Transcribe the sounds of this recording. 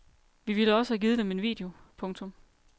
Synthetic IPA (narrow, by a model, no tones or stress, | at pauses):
ʋiʋiləɒ̽səæɡ̥iːð̞ˠəd̥eme̝nʋḭːd̥e̝o̝pʰɔ̽ŋt͡sʰɔ̽m